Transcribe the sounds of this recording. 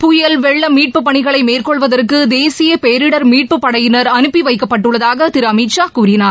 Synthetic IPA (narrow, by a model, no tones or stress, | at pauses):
pʊjɐlʋɛɭːɐmiːʈ̚pɯpːɐɳɪɣɐɭɐɪmeːrkɔɭʋɐðɐrkɯd̪eːsɪjɐpejɾɪɽɐɾmiːʈ̚pɯpːɐɽɐjɪnɐɾɐnɯpːiʋɐɪkːɐpːɐʈːɯɭːɐðaːɣɐt̪ɪɾɐmiʈt͡ʃaːkuːɾɪnaːɾ